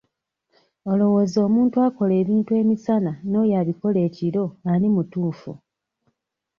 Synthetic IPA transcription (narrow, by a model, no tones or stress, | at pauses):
o̞lo̞wo̞zo̞ːmuːntuako̞le̞ːβiːntue̞ːmisanano̞jaβiko̞le̞ːciɾo̞alimutuːfṵ